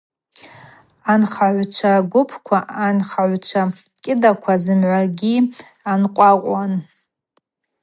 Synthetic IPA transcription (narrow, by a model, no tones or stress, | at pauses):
anχaʕʷt͡ʃʷʰaɡʷʊpʰkʷʰaʔanχaʕʷt͡ʃʷʰa | kʲʼɪdakʷʰazɨmʕʷaɡʲi | anqʷʼaqʷʼan